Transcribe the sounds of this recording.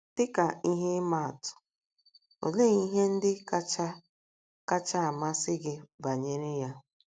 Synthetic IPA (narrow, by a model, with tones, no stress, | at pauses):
tɪ˦ka˨i˦ɦe˦ma˦a˨tʊ̥˨ | o̰˨le˦i˦ɦe˦n̩˦dɪ˦ka˦t͡ʃa˦ | ka˦t͡ʃa˦a˨ma˦sɪ˦ɡɪ˦ba˨ɲe˦ɾɪ˦ja˦